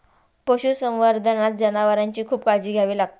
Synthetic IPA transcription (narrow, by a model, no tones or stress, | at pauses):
poɕusə̃wʋaɾd̪ʱənat̪̚d͡ʑənaʋaɾaɲt͡ɕiːkʰuːpkad͡ʑiːɡʱjaʋiːlaɡ̚t̪o